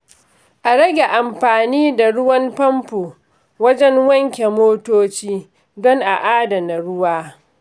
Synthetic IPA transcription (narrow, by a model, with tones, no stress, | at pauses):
ʔa˨ɽɐ˦ɡʲe˨ʔa˨mɸaː˨niː˦da˨ɽʊ˦wɐ˦mpɐ˦mpu˨ | wɐ˦d͡ʒɛ˦ŋwɐ˦ŋkʲe˨moː˦toː˦t͡ʃiː˦ | dɔ˦ŋʔa˨ʔaː˦dɐ˨na˨ɽʊ˦waː˦